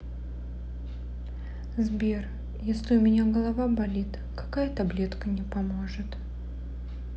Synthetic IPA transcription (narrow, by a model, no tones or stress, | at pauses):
zbʲer | jesʲlʲɪʊmʲɪnʲaɡəlˠɐvabɐlʲit̪ | kɐ̥kajət̪ɐblʲe̞t̪kənʲɪpɐmo̞ʐɨt̪